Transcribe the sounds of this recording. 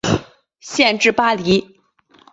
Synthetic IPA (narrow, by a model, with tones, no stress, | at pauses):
ɕjɛ˥˧nʈ͡ʂɻ̩˥˩pa˥li˧˥